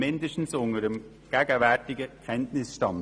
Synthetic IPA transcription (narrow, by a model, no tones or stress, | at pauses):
mɛndəʃn̩sʊŋəɾəm | ɡ̥ɛːɡəvɛtɪɡəkʰɛntnɪsʃtɑn